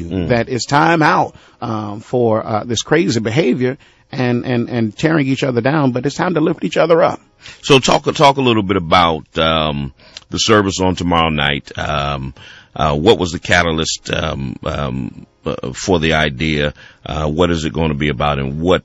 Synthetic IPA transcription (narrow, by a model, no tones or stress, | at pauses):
ðɨɾɪtstʰãɪ̃maʊt̚ | fə˞ʌðɪskʰɹ̥eɪzibɨɦeɪvjə˞ | ɨ̃nʔɨ̃nɨ̃ntʰɛɹɪ̃ŋit͡ʃʌðə˞dãʊ̃nbʌɾɨtstʰãɪ̃mtəlɪftit͡ʃʌðə˞ʌ̰p̚ | soʊtʰɔ̰ktʰɔkəlɪɾl̩ˠbɪɾəbaʊt̪̚ʌ̃m | ðɨsɜ˞vɨsn̩tʰəmɑɹoʊna̰ɪt̚ʌ̃mʔʌwʌʔ̚wʔʌzðɨkʰæɾl̩ˠɨstʌmʌ | fə˞ðiaɪdiɨʔʌ̰wʌɾɨzɨt̚ɡ̥oʊɪ̃ntʰəbiɨbaʊɾɨ̰̃nwʌt̚